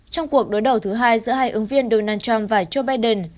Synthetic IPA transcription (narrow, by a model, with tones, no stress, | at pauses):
t͡ɕɔ˧wŋ͡mku˨˩ək̚ɗo˨˦jɗə˨˩wt̪ʰɨ˨˦ɦaː˧jzɨ̰˧˥əɦaː˧jʔɨ˨˦ŋvi˧ənɗo˧naː˧nt͡ɕa˧mvaː˨˩t͡ɕo˧ɓaː˧jɗə˨˧˩n